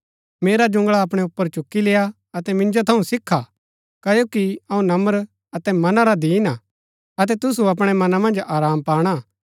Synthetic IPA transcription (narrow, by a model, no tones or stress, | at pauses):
meːɾad͡ʒʊ̃ŋɡɭaɐp̬ɽ̃ɛʊpːəɾt͡ʃʊkːileːa | ɐt̪ɛmɪ̃nd͡ʒot̪ʰɐũsɪkʰːa | kɐjoːkiɐũnɐməɾ | ɐt̪ɛmɐnaɾad̪iːna | ɐt̪̬ɛt̪ʊsuɐp̬ɽ̃ɛmɐnamɐ̃nd͡ʒaːɾaːmpaːɽ̃a